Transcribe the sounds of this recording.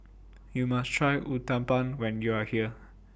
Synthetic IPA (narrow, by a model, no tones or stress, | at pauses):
jumastʰɹajʔutãmpãnwɛ̃njuahiə